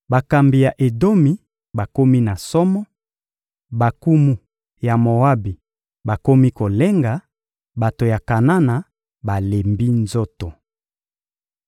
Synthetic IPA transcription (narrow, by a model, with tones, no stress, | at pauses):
ba˨ka˨mbi˨ja˨ʔe˨do˦mi˨ | ba˨ko˦mi˦na˨sɔ˦mɔ˦ | ba˨ku˦mu˦ | ja˨mo˨wa˦bi˨ | ba˨ko˦mi˦ko˨le˦ŋɡa˨ | ba˨to˨ja˨ka˨na˦na˨ | ba˨le˨mbi˦nzo˦to˨